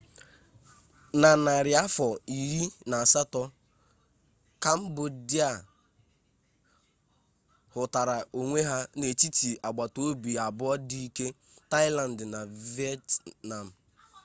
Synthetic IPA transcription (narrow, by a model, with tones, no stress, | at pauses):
na˨na˨ɾɪ˨a˦fɔ˨i˨ɾi˦na˨a˨sa˦tɔ˦ | ka˦m̩˦bʊ˨di˦a˨ | hʊ˨ta˨ɾa˨o˨ŋʷe˦ɦa˦ne˨t͡ʃi˦ti˨ʔa˨ɡ͡ba˨to˦bi˨a˨bʊ˦ɔ˦di˦i˦ke˦ | ta˦ɪ˦la˨n̩˨dna˨vi˦ɛ˦tna˨m̩˨